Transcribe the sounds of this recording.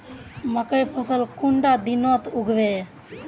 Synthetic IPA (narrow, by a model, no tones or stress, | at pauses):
məkəjpʰəsəlkuɳɖad̪inoːt̪uɡʱʋe